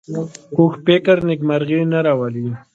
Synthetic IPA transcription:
kuxpekaɾnɪkmaɾɣinaɾawali

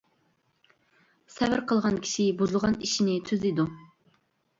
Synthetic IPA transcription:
sɛvɪɾqʰəlˠʁɑnkʲʰi̥ʃibuzɨlˠʁɑniʃinɪt̪ʰøzid̪u

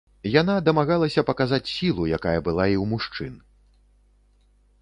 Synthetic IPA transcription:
janad̪ɐmaɣalˠɐsʲɐpɐkazat͡sʲsʲilˠujakajɐbɨlˠaiwmuʂt͡ʂɨn

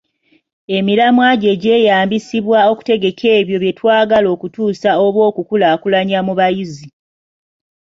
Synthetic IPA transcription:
e̞miɾamwaɟe̞ːɟe̞ːjaːmbisiβwao̞ku̥te̞ɡe̞kʰe̞ːβjo̞βje̞twaːɡalo̞ːkutuːsao̞βwo̞ːkukulaːkulaɲamuβajizi

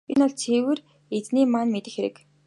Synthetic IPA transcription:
enɔɮt͡sʰewɘ̆r | et͡sniːmanmet̪ɘ̆xeɾɘ̰̆k

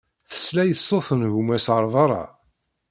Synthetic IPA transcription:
θə̥slæjəsˤːoθənɣumæsʕəɾˤvˤɑɾˤɑ̰

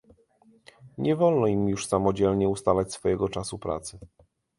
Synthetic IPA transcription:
ɲɛvɔlnɔimjuʂsamɔd͡ʑɛlɲɛust̪alat͡ɕsfɔjɛɡɔt͡ʂasupɾa̰t̪sɘ

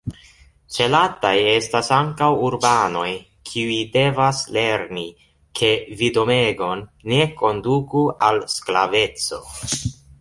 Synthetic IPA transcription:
t͡ʃe̞lataje̞stasaŋkawuɾbano̞j | kʰiuide̞vasle̞ɾni | kʰe̞vido̞meɡo̞nːe̞ko̞ndukualsklave̞t͡so̞̰

